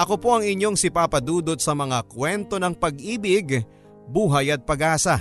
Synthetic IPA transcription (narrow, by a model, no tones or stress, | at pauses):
ʔɐko̞po̞ʔɐŋɪɲːo̞ŋsɪpaːpɐd̪uːd̪ot̪̚sɐmɐŋakwɛnt̪o̞nɐŋpɐɡʔiːbɪɡ | buːɦɐjɐt̪̚pɐɡʔaːsɐ